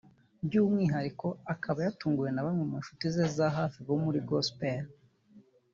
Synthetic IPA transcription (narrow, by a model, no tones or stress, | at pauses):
bɟuːmŋiːɦaɾiko̞akʰaβajatuːŋɡuje̞naβamŋwemuʃu̥tizezaɦaːfiβo̞muɾiɡospeɾ